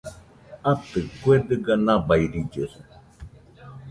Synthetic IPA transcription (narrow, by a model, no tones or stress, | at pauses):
at̪ɨkwed̪ɨɡanãbaiɾid͡ʒəsɨ